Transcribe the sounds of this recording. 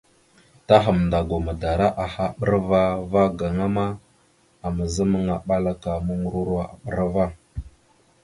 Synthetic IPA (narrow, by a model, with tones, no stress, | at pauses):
ta˦ɦə˨mnda˨ɡo˨ma˨da˨ɾa˦ʔa˨ha˦ɓə˦ɾva˦va˦ɡa˨ŋa˦ma˦ | a˨mə˨zə˦mə˦ŋa˨ɓa˦la˦ka˨mu˦ŋu˦ɾu˦ɾa˦a̰˨ɓə˦ɾa˦va˦